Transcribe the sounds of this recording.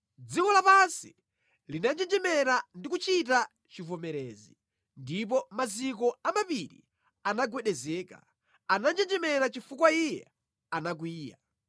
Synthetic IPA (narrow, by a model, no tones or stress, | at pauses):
d͡zikɔlapansi | linand͡ʒɛd͡ʒɛmɛɾandikut͡ʃit̬a | t͡ʃivɔmɛɾɛːzi | ndip̬ɔmazik̬ɔamapiɾḭ | anaɡwɛɗɛzɛːka̰ | anand͡ʒɛd͡ʒɛmɛɾat͡ʃifukwaijɛ̰ | anak̬wiːja̰